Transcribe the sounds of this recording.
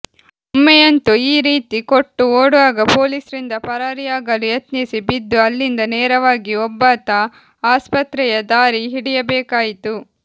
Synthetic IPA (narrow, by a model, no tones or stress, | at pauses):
umːɛjɐnt̪uiːɾiːt̪ikoʈːuoːɽuʋaːɡɐpo̞ːliːsɐɾind̪ɐpɐɾaːɾijaːɡɐlujɐt̪nisibid̪ːuɐlːind̪ɐnɛːɾɐʋaːɡiɔbːɐt̪ɐ | aːspɐt̪ɾɛjɐd̪aːɾiɦiɽijɐbɛːkaːjit̪u